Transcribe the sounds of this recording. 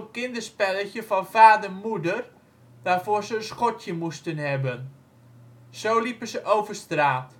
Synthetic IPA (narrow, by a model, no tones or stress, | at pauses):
kɪndərspɛləçjəfɔnfaːdərmudər | d̥aːrfoːrzəənsxɔtjəmustənhɛbən | soːlipəsəʔowvərstraːt